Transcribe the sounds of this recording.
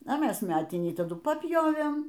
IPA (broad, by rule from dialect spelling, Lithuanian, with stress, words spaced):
ɐ ˈmʲɛs ˈmʲæːtʲɪnʲiː tɐˈdʊ pɐˈpʲjoːʋʲeːm